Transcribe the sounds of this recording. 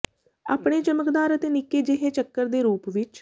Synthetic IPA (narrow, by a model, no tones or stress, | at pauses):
a̰ːpɳeːt͡ʃəməkd̪aːɾət̪eːnɪkːeːd͡ʒeɦẽːt͡ʃəkːəɾd̪eːɾuːpʋɪt͡ʃ